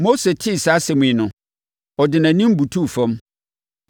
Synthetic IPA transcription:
mo˦se˨tʰɪ˦˨sa˦sɛ˨mʊ̃˨ĩ˨nʊ̃˨ | ɔ˨dɪ˨nã˨nĩ˦m˦bu˨tʰu˦˨fɔ̃˦m

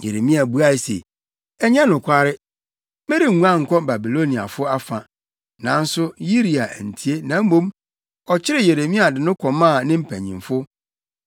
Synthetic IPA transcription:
jḛ˨ɾe˨mĩ˦a˨bu˦a˦ɪ˨sḛ˨ | ɛ˦ɲɛ̃˦nʊ̃˨kʷʰa˦ɾɪ˦ | me˦ɾi˨ŋ˨ŋũ˦ã˦ŋ̩˨kʰɔ˦ba˨bi˨lo˦nĩ˨a̰˨fʊ˦a˦fã˨ | nã˨n̩˦sʊ˦ji˦ɾi˨a̰˨n̩˨tʰi˨˦e˦nã˨˦m̩˦mõ˦m | ɔ˨t͡ɕʰɪ˦ɾɪ˦je˨ɾe˨mĩ˦a˨dɪ˨nʊ̃˦kʰɔ˨mã˦˨nɪ̃˦m̩˨pʰæ̰̃˨ɲḭ̃˨mfʊ˦

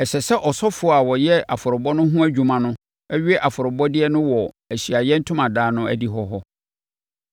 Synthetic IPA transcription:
ɛ˨ɕɛ˨sɛ˦ʔɔ˨sɔ˦fʊ˨ɔ˦a˨wɔ˨jɛ˦a˨fʊ˨ɾʊ˨bɔ˦nʊ̃˦ɦũ˦æ˦d͡ʑᶣu˨mã˨nʊ̃˦ | ɛ˦ɥi˦ɛ˦ʔa˨fʊ˨ɾʊ˨bɔ˦dɪ˦ɛ˦nʊ̃˦wɔ˨ | æ˨ɕi˨a˨jɛ˦n̩˦tʰʊ̃˦mã˨daː˦nʊ̃˦æ̰˦di˦ɦɔ˦ɦɔ˦

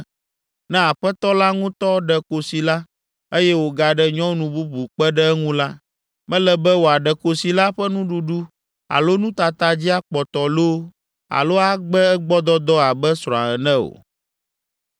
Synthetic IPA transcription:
nɛ̃˦a˨ɸɛ˦t̪ɔ˦la˦ŋũ˦t̪ɔ˦ɖɛ˨ko˨si˨la˦ | e˦jɛ˦wo˨ɡa˨ɖɛ˦ɲɔ̃˦nũ˨bu˦bu˨k͡pɛ˦ɖɛ˦ɛ˦ŋũ˦la˦ | mɛ̃˦lɛ˨bɛ˦wo˨a˨ɖɛ˨ko˨si˨la˦ɸɛ˦nũ˦ɖu˨ɖu˦ | a̰˨lo˦nũ˦t̪a˨t̪a˨d͡ʑi˦a˦k͡pɔ˨t̪ɔ˨lo˦ | a̰˨lo˦a˦ɡ͡bɛ˦ɛ˦ɡ͡bɔ˦d̪ɔ˦d̪ɔ˦a˨bɛ˦sɾɔ̃˨a˨ɛ˨nɛ̃˦o̰˨

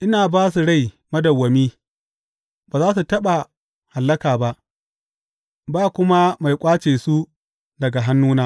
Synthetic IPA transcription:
ʔɪ˦naː˨baː˦s̬u˨ɽa˦˨j | mɐ˦dɐ˨wːɐ˨miː˦ | baː˨zaː˦s̬u˨tɐ˦ɓa˨ | ha˨lːɐ˦kaː˨ba˦ʔ | baː˦kʷʊ˦ma˦ma˨jkʷʼaː˦t͡ʃeː˨su˦ | dɐ˨ɡa˨ɦa˦nːuː˦naː˦

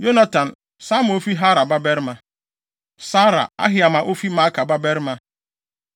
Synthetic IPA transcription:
jo˦na˦ta˨n̩˨ | sa˦m˨o˦fi˦ɦa˦ɾa˨ba˦be˦ɾma˦ | sa˦ɾa̰˨a̰˦ɦɪ˦a˨ma˨ʔo˦fi˦ma˦ka˨ba˦be˦ɾma˦

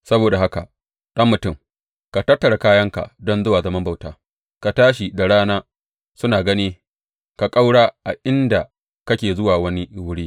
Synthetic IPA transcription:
sɐ˦boː˨da˨ha˦ka̰˨ | ɗɐ˦mːʊ˨tʊ˦˨m | ka˨tɐ˦tːɐ˨ɽa˨kaː˦jɐ˦ŋka̰˨dɔ˦nzʊ˦waː˨zɐ˦mɐ˦mba˨wtaː˦ | ka˨taː˦ʃ̬i˨da˨ɽaː˦naː˦ | sʊ˦naː˨ɡɐ˦niː˦ | ka˨kʼa˦wɽaː˦ʔa˨ʔɪ˦nda˨ | kɐ˦kʲeː˨zʊ˦waː˨wɐ˦ni˦wʊ˦ɽiː˦

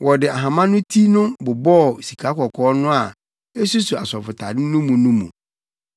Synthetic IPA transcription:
wʔɔ˨dɪ˨a˨ɦã˨mã˦nʊ̃˦tʰi˦nʊ̃˦bʊ˨bɔ˦˨si˨kʰa˨˦kʰɔ˨kʰɔː˦nʊ̃˦a˨ | e˦su˦su˨a˨sɔ˨fʊ˨tʰa̰˨dɪ˦nʊ̃˦mũ˨nʊ̃˦mṵ̃˨

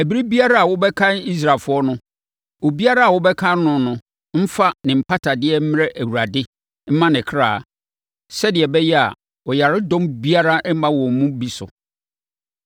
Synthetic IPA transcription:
æ˨bi˦ɾi˦bi˦a˦ɾa˦a˨wʊ˦bɛ˦kʰã˦ni˦s̬ɾa˨lfʊ˦ɔ˦nʊ̃˦ | wo˨bi˦a˦ɾa˦a˨wʊ˦bɛ˦kʰã˦nː˦ʊ̃˨nʊ̃˦ | m̩˦fa˦nɪ̃˨m̩˨pʰa˦tʰa˨dɪ˦ɛ˦m̩˦m˦ɾɛ˦ʔæ˨wu˨ɾa˨dɪ˦ | m̩˦mã˦nɪ̃˨kʰɾaː˦˨ | sɛ˦dɪ˨ɛ˨bɛ˦jɛ˦a̰˨ | wɔ˨ja˨ɾɪ˦dɔ̃˦mbi˦a˦ɾa˦ʔɛ˦mã˦wɔ̃˨m̩˨mũ˦bi˦sʊ̰˨

